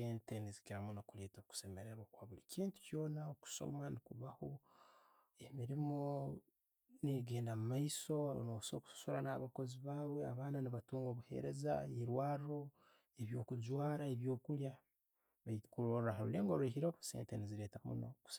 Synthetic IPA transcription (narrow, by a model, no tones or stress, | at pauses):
eːntenizikiɾamunokuleːtoku̥se̞me̞ɾeɾwakwaβuliciːntu̥co̞ːnaoku̥so̞̰manikuβaho | emiɾimo̞ | niɡe̞ːndamumaiso̞nosoku̥su̥suɾanaaβako̞ziβaːβwe̞aβaːnaniβatuːŋɡo̞βuhe̞̰ɾe̞za̰eɾwaːɾiɾo̞ | eβjo̞ːkud͡ʒwaːɾaeβjo̞ːkulja | βakuɾoɾɾahaɾṵleːŋɡoɾuehiɾosḛːnteniziɾeːtamṵno̰ku̥se